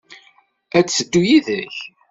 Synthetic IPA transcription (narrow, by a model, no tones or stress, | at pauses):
æt͡st͡sːəd̪ːujiðəç